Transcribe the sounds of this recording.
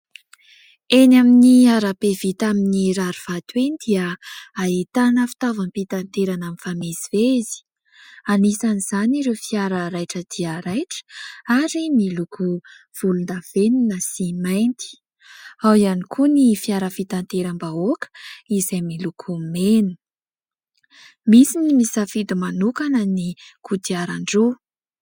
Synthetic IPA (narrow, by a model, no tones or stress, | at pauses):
enaminiaɾapevit̪aminiɾaɾuv̥at̪wend̪iəait̪anəfi̥t̪avanpit̪ant̪eɾanamifamezivezi̥ | anisaniz̥aniɾefiaɾəɾajʈ͡ʂəd̪̥iəɾajʈ͡ʂə̥aɾimiluku | v̥ulund̪av̥eninəsimajnt̪i̥ | awianikʰunifiaɾəfit̪ant̪eɾəmbaokə̥izajmilukʰumenu̥ | misinimisafid̪imanukanənikʰut̪iaɾaɳɖ͡ʐu